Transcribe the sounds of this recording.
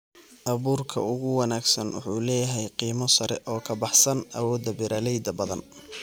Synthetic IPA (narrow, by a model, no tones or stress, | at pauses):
ʔɐβuːrkʰɐ̰ʊɣʊwɑnaːɡsɐnwʊ̰ħuːlɛːjɐɦɛjqiːmɔsɐɾɛʔɔːkʰɐbɑħsɐnʔɐ̰wɔːd̪ɐbɪɾʔaːlɛjd̪ɐbɐðɐ̰n